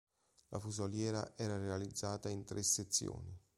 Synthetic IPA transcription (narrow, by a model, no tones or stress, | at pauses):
lʔafuzoljɛːɾa̰ʔɛːɾarealid̪zːaːt̪aint̪ɾʔesːet̪sːjo̰ːni